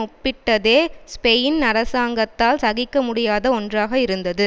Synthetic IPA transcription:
ʊpːɪʈːɐðeːspɛjnnɐɾɐsaːŋɡɐt̪ːaːlsɐɣɪkːɐmʊɽɪjaːðɐɔndraːɣɐɪɾɯnd̪ɐðɯ

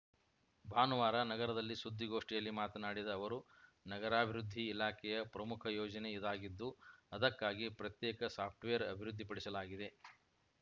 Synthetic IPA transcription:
bʱaːnɐʋaːɾɐnɐɡɐɾɐd̪ɐlːisud̪ʱːiɡo̞ːʂʈijɐlːimaːt̪ɐnaːɽid̪ɐːʋɐɾu | nɐɡɐɾaːbʱiɾud̪ʱːiːlaːkʰɛjɐpɾɐmukʰɐjɔːd͡ʒɐne̞id̪aːɡid̪ːuɐd̪ɐkːaːɡipɾɐt̪jɛːkɐsaːp̚ʰʈʋejɐɾɐ̰bʱiɾud̪ʱːipɐɽisɐlaːɡid̪e̞

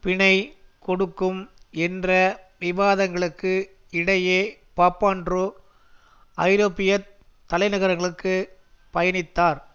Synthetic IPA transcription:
pɪɳɐɪkɔɽɯkːɯmɛndrɐʋɪʋaːðɐŋɡɐɭɯkːɯ | ɪɽɐjeːpaːpːaːndru | ɐɪɾoːpɪjɐ | t̪ːɐlɐɪnɐɣɐɾɐŋɡɐɭɯkːɯ | pɐjɐnɪt̪ːaːɾ

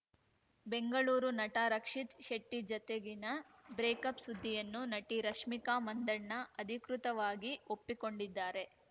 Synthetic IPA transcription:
be̞ŋɡɐɭuːɾunɐʈaːɾɐkʂit̪ʃeʈːid͡ʒɐt̪eɡinɐbɾeːkɐpsud̪ʱːijɐnːunɐʈiɾɐʂmikaːmɐnd̪ɐɳnɐɐd̪ʱikɾut̪ɐʋaːɡiopːiko̞ɳɖid̪ːaːɾe̞

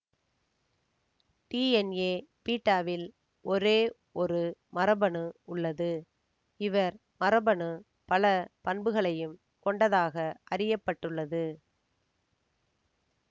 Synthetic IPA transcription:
ʈiːɛneːpiːʈːaːʋɪl | ʔɔɾeː | ɔɾɯmɐɾɐbɐɳɯʊɭːɐðɯ | ɪʋɐɾ | mɐɾɐbɐɳɯ | pɐlɐpɐɳbɯɣɐɭɐjɯm | kɔɳɖɐðaːɣɐʔɐrɪjɐpːɐʈːɯɭːɐðɯ

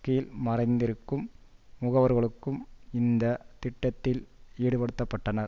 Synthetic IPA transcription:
kːɐjɪlmɐrɐɪnd̪ɪɾɯkːɯmːʊɣɐʋɐɾɣɐɭɯkːɯmɪnd̪ɐt̪ɪʈːɐt̪ːɪliːɽɯpɐɽɯt̪ːɐpːɐʈːɐnɐɾ

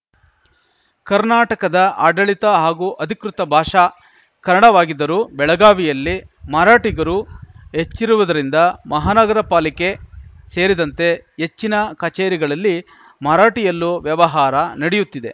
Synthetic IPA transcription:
kɐɾnaːʈɐkɐd̪ɐʔaːɖɐɭit̪ɐɦaːɡuːʔɐd̪ʱikɾut̪ɐbʱaːʂa | kɐɾɐɽɐʋaːɡid̪ːɐɾubɛɭɐɡaːʋijɐlːimɐɾaːʈiɡɐɾuɦe̞t͡ʃːiɾuʋud̪ɐɾind̪ɐmɐɦaːnɐɡɐɾɐpaːlike̞ | se̞ːɾid̪ɐnt̪e̞ɦet͡ʃːinɐkɐt͡ʃeːɾiɡɐɭɐlːi | mɐɾaːʈijɐlːuʋjɐʋɐɦaːɾɐnɐɽejut̪ːid̪e̞

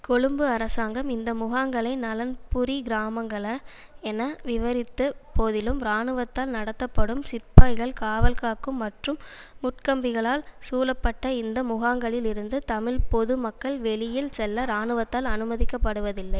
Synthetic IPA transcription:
kɔɻɯmbɯɐɾɐsaːŋɡɐmɪnd̪ɐmʊɣaːŋɡɐɭɐɪnɐlɐnpʊɾiɡɪɾaːmɐŋɡɐɭɐ | ɛnɐʋɪʋɐɾɪt̪ːɯpoːðɪlɯmɾaːnɯʋɐt̪ːaːlnɐɽɐt̪ːɐpːɐɽɯmsɪpːaːɪɣɐɭkaːʋɐlkaːkːɯmːɐʈrɯmː | ʊʈkɐmbɪɣɐɭaːlsuːlɐpːɐʈːɐɪnd̪ɐmʊɣaːŋɡɐɭɪlɪɾɯnd̪ɯt̪ɐmɪlpɔðɯmɐkːɐɭʋɛɭɪjɪlsɛlːɐɾaːɳɯʋɐt̪ːaːlɐnɯmɐðɪkːɐpːɐɽɯʋɐðɪlːɐɪ

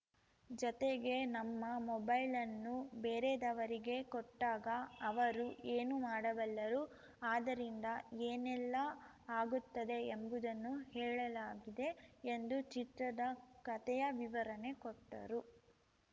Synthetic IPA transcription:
d͡ʒɔt̪eɡe̞nɐmːɐmɔbɐjlɐnːubeːɾed̪ɐʋɐɾiɡe̞kɔʈːaːɡɐːʋɐɾuʔeːnumaːɽɐʋɐlːɐɾu | aːd̪ɐɾind̪ɐeːnɛlːɐ | aːɡut̪ːɐd̪e̞ːmbud̪ɐnːuhɛːɭɐlaːɡid̪e̞ːnd̪ut͡ʃit̪ɾɐd̪ɐkɐt̪ɛjɐʋiʋɐɾɐne̞kɔʈːɐ̰ɾu

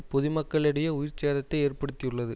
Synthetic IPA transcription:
pɔðɪmɐkːɐɭɪɽɐjɐʊjɪɾt͡ʃeːðɐt̪ːɐɪeːrpɐɽɯt̪ːɪjɯɭːɐðɯ

